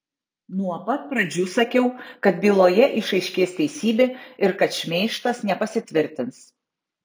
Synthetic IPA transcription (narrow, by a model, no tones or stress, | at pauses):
nuɔpɐt̪̚pɾɐd͡ʒʲuːsɐkʲɛʊkɐt̪̚bʲiːlˠoːjɛʔɪʃɐɪʃʲkʲeːsʲt̪ʲɛɪsʲiːbʲeɪɾkɐt̪ʃʲmʲeːʃt̪ɐsnʲɛpɐsʲɪt̪ʲʋʲɪɾʲt̪ʲɪns